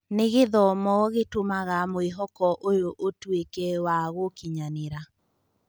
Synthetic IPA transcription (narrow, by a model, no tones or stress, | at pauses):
neɣeðɔmɔɣetomaɣamoeɦɔkɔʔojoʔotwekɛwaɣokiɲaneɾa